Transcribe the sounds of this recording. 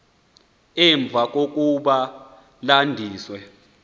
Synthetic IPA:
ɛɱb̪vʱak̬ʼok̬ʼuɓa | landʱiːswɛ

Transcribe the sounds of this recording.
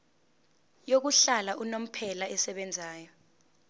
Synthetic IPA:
jok̬uɬalaʔunom̩pʰɛlaɛsɛɓɛnd͡zʱaːjɔ

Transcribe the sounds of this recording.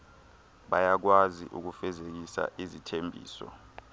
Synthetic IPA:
ɓajak̬waziʔṵk̬ufɛzek̬isa̰ʔizitʰembʱḭːsɔ̰

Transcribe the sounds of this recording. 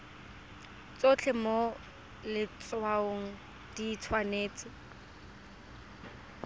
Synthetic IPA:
t͡sot͡ɬʰɛmo | lɪt͡swaoŋ̩ | d̥iːt͡sʰwaneːt͡sɪ

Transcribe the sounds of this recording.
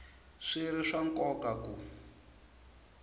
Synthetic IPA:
ʂiɾiʂaŋkʼɔkaku

